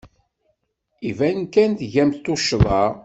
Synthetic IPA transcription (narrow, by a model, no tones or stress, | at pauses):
ivænkænθʝæmt̪ːoʃðˤɑ